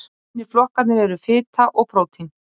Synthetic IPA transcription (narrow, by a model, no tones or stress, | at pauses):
nɪɾ̥flɔhkat̪nɪɾɛɾʏfɪːt̪ʰaʔɔɣpɾoːwt̪ʰin